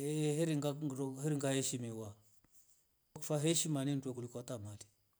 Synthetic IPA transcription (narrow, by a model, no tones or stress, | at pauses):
eheɾiŋaohiɾiŋɡaheʃimiwa | okfaɦeʃimanintokulikʷatamali̥